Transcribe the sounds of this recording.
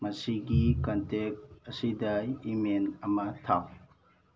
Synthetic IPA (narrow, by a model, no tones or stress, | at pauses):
mɐsiɡikɐntek̚tɐsidɐimenɐmɐtʰaw